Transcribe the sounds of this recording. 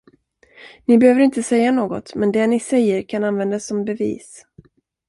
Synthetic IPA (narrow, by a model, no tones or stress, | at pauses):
nɪbɛhøːvəɾɪnt̪əsɛjːanoːɡɔ̰t̪mɛnd̪ɛnɪsɛjːəɾkʰananvɛnd̪asːɔmbɛvḭːs